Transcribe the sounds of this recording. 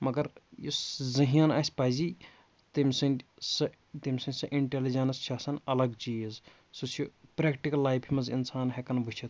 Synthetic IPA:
mɐɡɐɾjiszɐɦianaːsʲpɐzi | t̪imʲsɐnsɐ | t̪imʲsɐnʲsɐʔiɳʈelid͡ʒɐnɐst͡ʃʰaːsɐnɐlɐɡt͡ʃiz | sɨt͡ʃʰipɾeːkʈikɐlːaːjpʰimɐzḭnsaːnɦekɐnbut͡ʃʰit̪

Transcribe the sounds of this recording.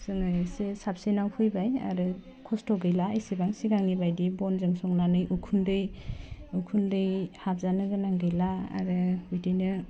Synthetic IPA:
sɯŋɯjsesap̚senawpʰɯjbaja̰ɾɯ | kʰɔstʰɔɡɯjlaejsebaŋsiɡaŋnibajdibɔnzɯŋsɔŋnanɯjukʰundɯjukʰundɯjhap̚zanɯɡɯnaŋɡɯjla̰ːɾɯbijtijnɯ

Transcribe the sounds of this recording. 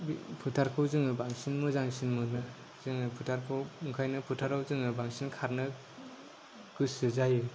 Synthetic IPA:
bpʰutʰaɾkʰɯwzɯŋɯbaŋsinmɯzaŋsinmɯnɯ | zɯŋɯpʰutʰaɾkʰɯwuŋkʰajnɯpʰutʰaɾawzɯŋɯbaŋsinkʰaɾnɯ | ɡ̥ɯsɯzajɯ

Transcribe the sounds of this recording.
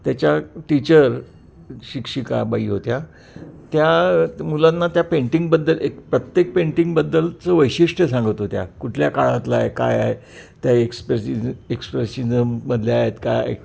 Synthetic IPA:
t̪jat͡ɕjaʈit͡ɕəɾ | ɕikʂika̰baiɦot̪ja | t̪jamulãnːat̪japẽɳʈiŋɡ̚bəd̪ːəlekpɾət̪jek̚pẽɳʈiŋɡbəd̪ːəlt͡səʋəjɕiʂʈəsãŋɡəʋt̪ot̪ja̰kuʈʰljakaɭãt̪laeka̰jaje | t̪jaekspɾeiekspɾesizəmːəd̪ljeaɦet̪ka̰j̰

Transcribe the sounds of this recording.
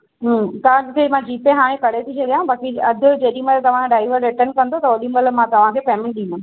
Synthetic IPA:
ɦəmt̪ɐãkʰemãd͡ʑiːpeɦaːɽ̃ẽkɐɽet̪ʰit͡ɕʰɐɗijãɦbaːkiɐd̪ʱʊd͡ʑeːɗĩməlt̪ɐʋ̤ãɖaːɪʋəɾɾɪʈəɾnkɐ̃nd̪ot̪ɐʋɐɗĩməlmãt̪ɐʋ̤ãkʰeːpɛːmɪɳɗĩnd̪ə

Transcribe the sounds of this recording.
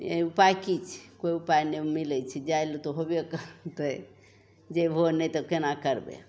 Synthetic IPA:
ḛupajkit͡ʃʰkoiupajnemilɛt͡ʃʰid͡ʒajlot̪oɦobekt̪ə | d͡ʒeɦonɛt̪ɔkenakəɾbḛ

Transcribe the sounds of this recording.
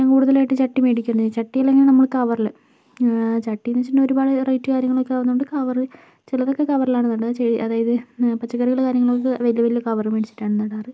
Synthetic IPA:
ɲaːŋkuːɽuðɐlaːjiʈːɨt͡ɕɐʈːimeːɽikʲːunːt͡ɕɐʈːijɐlːeŋɡilnɐmːɐɭkɐʋɐrilɨ | t͡ɕɐʈːinit͡ɕːiuɳɖeo̞ɾubaːɽɨrɐjtːɨkaːɾjɐŋːɐɭokːeaʋnːuoɳɖɨkɐʋɐrɨ | t͡ɕilɐðo̞kːe̞kɐʋɐrilaːɳenːɐɽat͡ɕeɻiʔɐðaːjɐðɨpɐt͡ɕːɐkːɐɾiɣɐɭkaːɾjɐŋːɐɭokːeʋɐlijɐʋɐlijokɐʋɐrɨmeɽit͡ɕːi̥ʈːaːɳenːɐɽaːrɨ

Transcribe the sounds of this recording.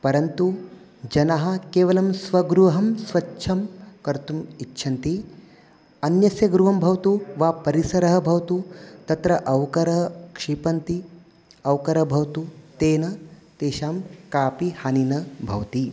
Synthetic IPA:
pɐɾɐnt̪u | d͡ʒɐnɐɦɐ̆keːʋɐlɐmsʋɐɡɾuʋɐɦɐmsʋɐtːʃʰɐmkɐɾt̪umitːʃʰɐnt̪i | ɐnjɐsjɐɡɾuɦɐmbʱɐʋɐt̪uʋaːpɐɾisɐɾɐɦɐ̆bʱɐʋɐt̪ut̪ɐt̪ɾɐʔɐʋwkɐɾɐɦɐkʂipɐnt̪i | ɐwkɐɾɐbʱɐʋt̪ut̪eːnɐt̪eːʃaːmkaːpihaninɐbʱɐ̰ʋɐt̪i

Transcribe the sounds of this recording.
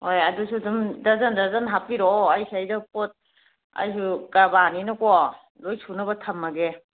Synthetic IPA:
hojadusudumdazandazanɦapiɾɔajsajdɯpɔt̚ | a̰jsukabaninɯkɔ | ɾɔjsunɯbɐtʰamːaɡe

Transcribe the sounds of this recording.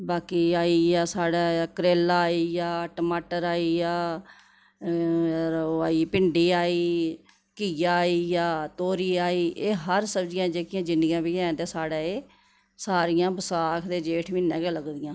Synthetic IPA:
baːkiːaːiːjaːsaːɽaːkəɾeːlaːiːjaːʈːmaːʈəɾaːiːjaː | ɾəaːiːpɪɳɖiːaːiː | kijaːiːjaːt̪oːɾiːaːiːʔeːɦəɾsəbd͡ʒɪjãːd͡ʒeːkɪjãːd͡ʒɪ̃nd̪ɪɡãːbiːɛ̃ːnd̪ẽːsaːɽaːeː | saːɾɪjãːbəsaːkʰd̪eːd͡ʒeːʈʰmɪ̃ːnːɛ̃ːɡɛːləɡd̪ɪjãː

